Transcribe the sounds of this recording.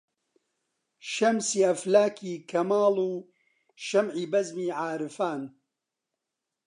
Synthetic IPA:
ʃɐmsiːɐflaːkʰiːkʰɐmaːluː | ʃɐmʕiːbɐzmiːʕaːɾɨfaːn

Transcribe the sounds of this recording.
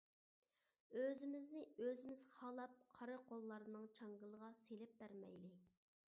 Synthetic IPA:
øzɪmɪznɪøzɪmɪzχɑlˠɑp̚qʰɑɾɨqʰolˠːɑɾɨnɨŋt͡ʃʰɑŋɡɨlˠəʁɑselɪp̚bæɾmɛ̰jlɪ

